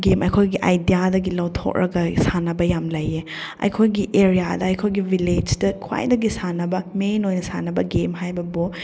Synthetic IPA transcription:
ɡemɐjkʰojɡiʔajdijadɐɡilɐwtʰɔ̰k̚ɾɐ̰ɡɐsanɐbɐjamlɐje | ɐ̰jkʰojɡiʔeɾijadɐɐjkʰojɡiviled͡ʒdɐkʰwa̰jdɐɡisanɐbɐmenojnɐsanɐbɐɡemɦajbɐbo

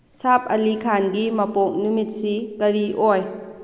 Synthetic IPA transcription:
sap̚ʰɐ̰likʰanɡimɐpok̚numit̚sikɐɾiʔoj

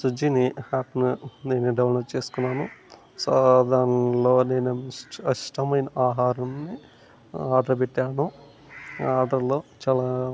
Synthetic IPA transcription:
sud͡ʒiniaːpnuneːnuɖɐʋwnɐt͡ʃeːsu̥kunːaːnu | sad̪aːɾɐɐloːne̞ːnuɐʂʈʰɐmɐjnɐaːɦaːɾɐmnːi | aːɾɖɐɾpeʈːaːɳu | aːɾɖɐɾloːt͡ʃaːla

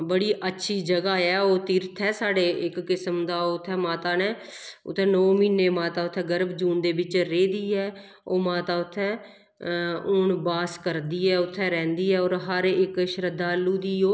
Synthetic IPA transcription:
bəɽiːʔətːʃʰiːd͡ʒəɡaːɛːoːt̪iːɾt̪ʰɛːsaːɖeːɪkːɪsəmd̪aːʊt̪ʰːɛːmaːt̪aːneː | ʊ̰t̪ʰːɛ̃ːnɔːmiːneːmaːt̪aːʊt̪ʰːɛːɡəɾbd͡ʒuːnd̪eːbɪt͡ʃɾeːd̪iːɛː | oːmaːt̪aːʊt̪ʰːɛː | ʊɳbaːskəɾd̪iːɛːʊt̪ʰːɛːɾɛ̃ːnd̪iːɛːɔːɾɦəɾɪkʃɾəd̪ʱːaːlːuːd̪iːoː

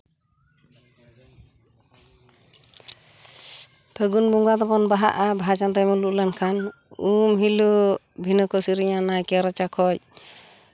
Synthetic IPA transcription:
pʰəɡunbuŋɡad̪ɔpɔnbaɦa̰ʔabaat͡ʃant̪amuluʔlankʰan | umɦilu | bʱinəkɔsiɾiɲanajkɛɾat͡ʃakʰɔc̚

